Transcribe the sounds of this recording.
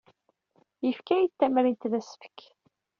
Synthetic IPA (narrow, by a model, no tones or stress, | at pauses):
jəfkæjət̪ːæmɾint̪ðæsə̥fə̥k